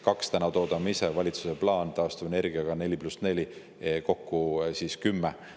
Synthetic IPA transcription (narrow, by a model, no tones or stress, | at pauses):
kɑkst̪ænɑt̪o̞ːd̪ɑmise̞vɑlʲit̪su̥se̞plɑːnt̪ɑːst̪uv̥ene̞rɡ̥iɑɡ̥ɑne̞lʲiplusne̞lʲi | ko̞kːusiskymːe